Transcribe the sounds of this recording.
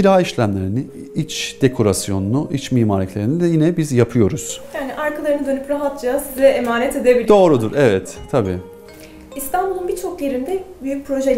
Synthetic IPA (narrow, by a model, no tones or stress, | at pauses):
iɾaːiʃlʲæmlʲe̞ɾini | it͡ʃd̪̥ekʰo̞ɾasjo̞nunuʔit͡ʃmiːmaːɾlʲicʰlʲe̞ɾinid̪ɛjinɛbizjapʰɯjo̞ɾuz̥jaːniʔaɾkʰalˠaɾɯnɯd̪ø̞nypɾaɦat̪̚d͡ʒaːsizlɛʔemaːnɛt̪e̞d̪ebilʲd̪o̞ːɾud̪uɾɛvɛt̪ːʰabḭː | ist̪ʰanbulˠunbit͡ʃʰo̞kje̞ɾind̪ɛbyjypʰɾo̞ʒe